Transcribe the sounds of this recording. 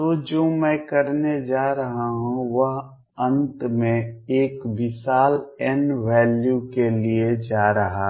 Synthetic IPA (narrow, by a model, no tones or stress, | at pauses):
t̪oːd͡ʒoːmɛ̃ːkɐɾned͡ʒaːɾɐɦaɦũʋɐɦ | ə̃nt̪mẽeːkbɪsaːlɛnʋɛːljukelied͡ʒaːɾɐɦa